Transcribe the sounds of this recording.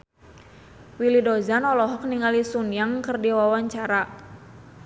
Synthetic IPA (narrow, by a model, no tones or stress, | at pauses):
wilidɔzanɔlɔɦɔk̚niŋalisunjaŋkərdiwawaɲt͡ʃaɾa